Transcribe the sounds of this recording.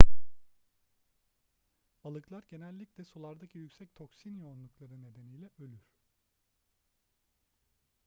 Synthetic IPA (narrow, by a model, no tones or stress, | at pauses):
b̥alˠɯklˠaɾɟe̞nɛlʲːiclʲɛsulˠaɾd̪acʰijycsɛc̚t̪ʰo̞ksinjonlˠuklˠaɾɯne̞d̪e̞nijlʲɛʔølʲyɾ̥